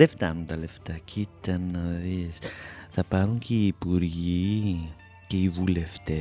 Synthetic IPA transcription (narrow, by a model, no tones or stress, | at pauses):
left̪ɐnunt̪ɐleft̪ɐcʰit̪ɐnːɐðisθɐpɐɾuŋciiːpuɾʝi | ceivule̞ft̪e